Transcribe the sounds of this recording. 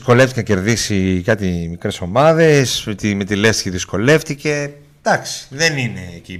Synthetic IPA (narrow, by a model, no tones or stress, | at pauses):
sko̞left̪ickenɐce̞ɾðisikɐt̪imikɾe̞so̞mɐðe̞st̪ime̞t̪ilest̪çiðisko̞le̞ft̪ice̞ | d̪̥ɐksi̥ðenine̞ci